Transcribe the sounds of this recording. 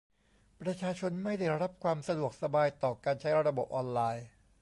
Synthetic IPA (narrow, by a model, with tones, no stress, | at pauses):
pɾa˧t͡ɕʰaː˧t͡ɕʰo˧nma˥˩jda˥˩jɾa˦˥p̚kʰwaː˧msa˧du˨˩ək̚sa˧baː˧jt̪ɔː˨˩kaː˧nt͡ɕʰa˦˥jɾa˧bo˨˩p̚ʔɔː˧nlaː˧j